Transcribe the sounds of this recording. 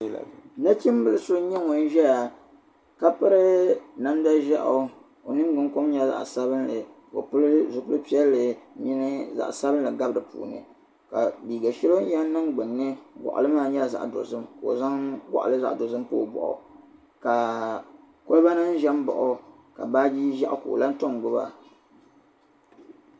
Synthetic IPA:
la̰˨na˦t͡ʃi˦m˦bɨ˨lɨ˦so˦ɲɛ˦ŋo˨n̩˦ʒɛ˦ja˨ | ka˦pɨ˦ɾɨ˦na˦n˦da˦ʒa˦ʔo˨ | o˨nɨ˦m˦ɡ͡bɨ˦ŋ˦ko˦mɲɛ˦za̰˦˨ʔsa˦bɨ˦nlɨ˨ | ko̰˨pɨ˦lɨ˦zʊ˦kɨ˦pi˦ɛ˦lːɨ˨ɲi˦nɨ˦za̰˨ʔsa˦bɨ˦nlɨ˨ɡa˦bɨ˨dɨ˨pṵː˨nɨ̰˨ | ka˨biː˨ɡa˨ʃi˦lo˦ɛ˦n˦nɨ˦ŋɡ͡bɨ˨nːɨ˦ɡʷɔ̰˨ʔʊ̰˨lɨ˦maː˦˨ɲɛ˦la˨za̰˨ʔdo̰˨zɨ˦mko˨o̰˨za˦ŋɡʷa̰˨ʔlɨ˦za˦˨ʔdo˨zɨ˦m˦po˦˨bɔ̰˨ʔʊ̰˨ | ka˨ | ko˦lba˦nɨ˦n˦ʒɛ˦m˦bɔ̰˨ʔɔ˨ | ka̰˨baː˦bi˦ʒɛ˦ʔko̰˨la˦n˦to˦mɡʊ˦ba̰˦

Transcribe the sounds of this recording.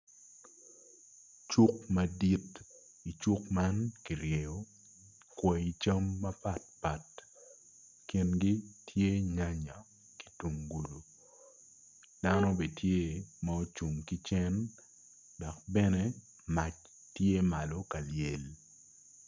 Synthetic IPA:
t͡ʃu˦kmɐ˨di˦t | i˨t͡ʃu˦kma˦nki˨ɾje˨o˦ | kwɛ˨i˨t͡ʃa˦mːɐ˦pa˦t̚pa˨t | ki˨nɡi˦tʰje˦ɲa˦ɲa˨ | ki̥˨tu˨ŋɡu˨lu˨ | d̥a˦no˦be˨tje˦ma˦o˦t͡ʃu˨ŋki˦t͡ʃɛ˦n | dɔ˨k̚bɛ˦nɛ˦ | ma˨t͡ʃ | tje˦ma˨lo˨ka˨lje˨l

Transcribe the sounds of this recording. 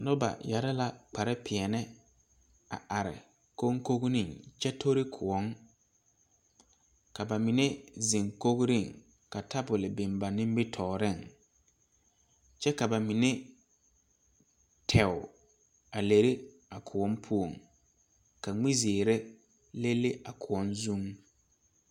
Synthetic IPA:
nʊ˦ba̰˨ja˨ɾa˦la˨k͡pa˨ɾɪ˦pʰɪ˨ɛ˨nɛ˦ | a̰˨ʔa˨ɾɪ̰˨ | ko˦ŋko˦ɣnɪ̃˦˨ŋt͡ʃɛ˦tʰo˦ɾi˦kʰʊ˨ɔ˦ŋ | ka˨ba˨mɪ˨ne˦ze˨ŋko˦ɣɾɪ˦˨ŋ | ka˨ta˦bʊ˨lɪ˨bɪ˨mba˨nɪ̃˦m˦bɪ˦tʰɔː˨ɾɪ˦˨ŋ | t͡ʃɛ˦ka˨ba˨mɪ˨ne˦ | tʰɛ˨wʊ˨ | a˨le˨ɾɪ˦ | a˨kʰʊ˨ɔ˦mpʰu˦o˨ŋ | ka˨ŋ͡mi˦zeː˨ɾe˦ | le˦lːe˦ʔa˨kʰʊ˨ɔ˦nzũ˦ŋ

